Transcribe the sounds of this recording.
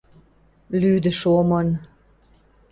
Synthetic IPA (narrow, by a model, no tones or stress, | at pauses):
lyd̪ə̆ʃomən